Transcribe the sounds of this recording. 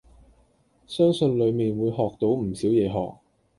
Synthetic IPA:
sœː˥ŋsɵ˧nlɵ˨˧ɥmiː˨nwuː˨˧jɦɔː˨k̚t̪o˨˧˥wm̩˨˩siː˨˥wjɛː˨˧ɦɔ̰ː˨k̚

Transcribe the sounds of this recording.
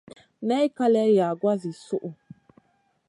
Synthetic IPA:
nɛ˦jka˦lɛ˦ja˨ɡwa˦zi˨su˦ʔu˨

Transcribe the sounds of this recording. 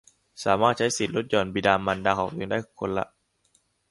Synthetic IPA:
saː˩˦maː˥˩t̪̚t͡ɕʰa˦˥jsi˨˩t̪̚lo˦˥˩t̪̚jɔː˨˩nbiː˧˩daː˧mːa˧ndaː˧kʰɔː˨˩ŋʔɯ˧ŋdaː˥˩jkʰːo˧nla̰˧˦ʔ

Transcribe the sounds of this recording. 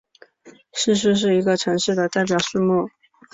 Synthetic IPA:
ʂɻ̩˥˧ʂ̬ɻ̩˥˧ʂ̬ɻ̩˥˩i˧˥ɡə˧ʈ͡ʂʰɤ˧˥ŋʂɻ̩˥˩d̪ə˩t̪a˥˩ɪp̬jɑ˨˩ʊʂɻ̩˥˧mu˥˩

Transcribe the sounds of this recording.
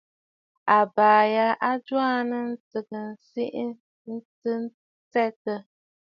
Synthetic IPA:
a˨baː˨ja˦ʔa˦d͡ʒwa˦nɨ˦n̩˦tɨ˨ɡɨ˨n˨si˦ʔ | n̩˦tɨ˦n̩˦ | tɛ˦tə˦

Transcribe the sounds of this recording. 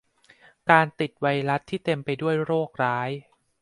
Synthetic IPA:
kaː˧nt̪i˨˩t̪̚wa˧jɾa˦˥t̪ʰːiː˥˩t̪e˧mpa˧jdu˥˩əjɾoː˥˩k̚ɾaː˦˥j

